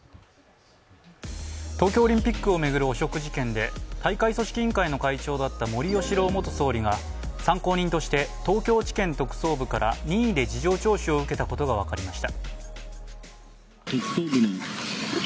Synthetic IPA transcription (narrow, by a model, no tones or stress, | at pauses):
t̪o̞ːkʲoːɾʲĩmpʲikːɯ̟o̞me̞ɡɯ̟ɾɯ̟oɕo̞kɯ̟ʑikẽ̞nd̪e̞t̪aikaiso̞ɕi̥kʲĩːŋkaino̞kait͡ɕo̞ːd̪at̪ːamo̞ɾʲijo̞ɕiɾo̞ːmo̞t̪oso̞ːɾʲiɡa | sãŋko̞ːɲ̟ĩnt̪o̞ɕi̥t̪e̞t̪o̞ːkʲo̞ːt͡ɕi̥kẽ̞nt̪o̞kɯ̟̥so̞ːbɯ̟kaɾʔa̰ɲ̟ĩːd̪e̞d͡ʑiʑo̞ːt͡ɕo̞ːɕio̞ɯ̟ke̞t̪ako̞t̪o̞ɡaβ̞akaɾʲimaɕi̥t̪a | eksoːbinĩ